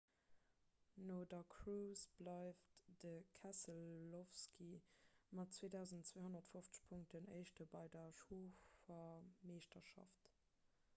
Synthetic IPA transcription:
noːdɐkʰʁuːsb̥lɑɪftd̥əkʰæsəlːofskʰimɑtt͡sweːdaʊzəntt͡sweːhonɐtfoft͡sə̥ʃpʰuŋk̚tənəɪʃtəbɑɪdɐʃoːfɐmeːʃtɐʃɑ̰ft

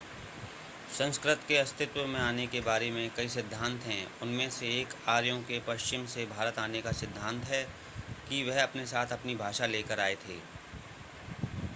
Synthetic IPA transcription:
sɐ̃nskɾɪt̪keɐst̪ʰɪt̪wəmẽaːnekebaːɾemẽkɐisɪd̪ʱːãːnt̪ɦɛ̃ʊnmẽseːkaːɾjõkepɐʃt͡ʃɪmsebʱaːɾət̪aːnekasɪd̪ʱːãːnt̪ɦɛ | kiʋɛɦɐpnesaːt̪ʰɐpnibʱaːʃaleːkəɾaːet̪ʰḛː

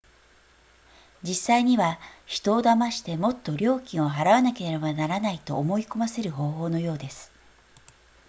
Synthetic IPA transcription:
d͡ʑisːaiɲ̟iβaçi̥t̪o̞ːd̪amaɕi̥t̪e̞mo̞t̪ːo̞ɾʲo̞ːkʲĩɰ̃o̞ɦaɾaβanake̞ɾeɾebanaɾanait̪o̞ːmo̞iko̞mase̞ɾɯ̟ɦo̞ːɦo̞ːno̞jo̞ːd̪e̞sɨ̥

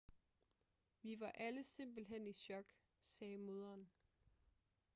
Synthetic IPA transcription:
ʋiʋɑ̈ʔæləse̝m̰b̥l̩ɦen̰iɕɒ̽ɡ̥ | sɛːmo̝ð̞ˠɐːn

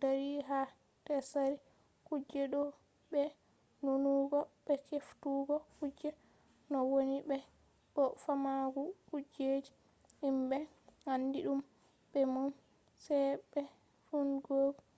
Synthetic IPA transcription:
daɾiɦa | tɛsaɾi | kud͡ʒɛɗɔ | ɓɛ | nunuɡɔɓɛkeftuɡɔkud͡ʒɛ | nɔwoniɓɛ | ɓɔfamaɡukud͡ʒed͡ʒi | imɓɛ | handiɗum | bɛmum | sɛjbɛ | funɡoːɡ

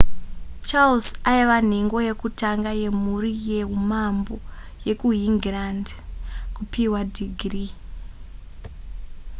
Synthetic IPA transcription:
t͡ʃaulsaiʋan̤eŋɡo̞je̞kutaŋɡaje̞murijeɦumambo | je̞kuɦiŋɡrandkupiwadʱiɡʱri

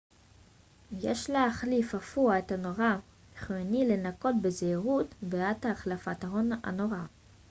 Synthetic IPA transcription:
jeʃlaaχlifafuaethanoʁa | iχoenilenako̞t̚bezeiʁutbeathaːχlafataɦona̰noʁa

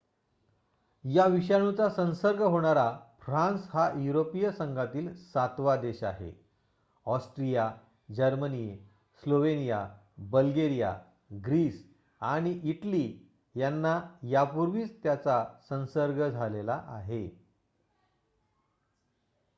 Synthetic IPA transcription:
jaʋiɕaɳ̃ut͡sasə̃nsəɾɡəɦoɽ̃aɾafɾãnsɦajuɾopijəsəŋɡʱat̪iːlsat̪ʋad̪eɕa̰ɦḛ | ɔsʈɾija | d͡ʑəɾməni | sloʋenija | bəlɡeɾija̰ | ɡɾiːs | aɽ̃iʔiʈli | janːajapuɾʋiːt͡st̪jat͡sasə̃nsəɾɡəd͡zʱalelaʔaɦe

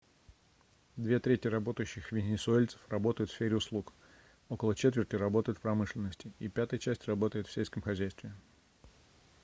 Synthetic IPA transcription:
d̪vʲe̞t̪ɾʲetʲjərɐbo̞t̪əjʉɕːɪxvʲɪnʲɪsʊelʲt̪sə̥frɐbo̞t̪əjʊt̪fsʲfʲeɾʲɪʊslˠuk | o̞kəlˠət͡ɕe̞t̪vʲɪrtʲɪrɐbo̞t̪əjʊt̪fpɾɐmɨʂlʲɪnːəsʲtʲɪipʲæt̪əjət͡ɕæsʲtʲrɐbo̞t̪əjɪt̪fsʲelʲskəmxɐzʲæjst̪vʲɪ

